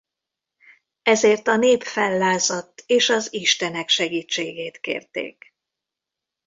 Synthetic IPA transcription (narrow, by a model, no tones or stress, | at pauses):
ɛzeːrt̪ɒneːpfɛlːaːzɒt̪ːeːʃɒziʃt̪ɛnɛkʃɛɡiːt͡ʃːeːɡeːt̪kḛːrt̪ḛːk